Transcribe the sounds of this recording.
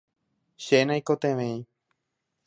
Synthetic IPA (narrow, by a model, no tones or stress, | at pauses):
ʃenãjkot̪ẽʋẽĩ